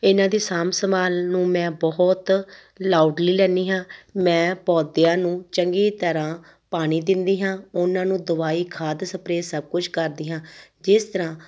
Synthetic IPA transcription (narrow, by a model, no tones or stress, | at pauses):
ɪnãːd̪iːsaːmsəmaːlnũːmɛ̃ːbɔt̪ | laːuɖliːlɛ̃ːniːɦãːmɛ̃ːpɔːd̪ɪjãːnũːt͡ʃəŋɡiːt̪əɾãː | paːɽ̃iːd̪ɪnd̪iːɦãːʊnãːnũːd̪ʊʋaːiːkʰaːd̪səpɾeːsəb̚kʊt͡ʃʰkəɾd̪iːɦãːd͡ʒɪst̪əɾãː